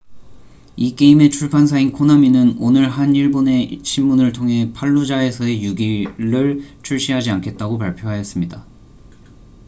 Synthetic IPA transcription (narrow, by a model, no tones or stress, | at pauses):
ik͈e̞ime̞t͡ɕʰuɭpʰansʰainkʰonaminɯnonɯɭɦaniɭbone̞ɕʰimmunɯɭtʰoŋɦe̞pʰaɭːud͡ʑae̞sʰʌe̞juɡiɾɯɭt͡ɕʰuɭɕ͈iɦad͡ʑiankʰe̞t̚t͈aɡop̬aɭpʰjoɦajʌs͈ɯmɲida